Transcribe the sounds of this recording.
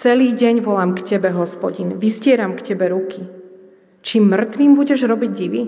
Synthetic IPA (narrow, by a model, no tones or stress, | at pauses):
t͡sɛliːɟɛɲʋɔlamkcɛbɛɦɔspɔɟinʋiscɪɛɾamkcɛbɛɾuki | t͡ʃiːmːr̩t̪ʋiːmbuɟɛʒɾɔbiɟɟiʋi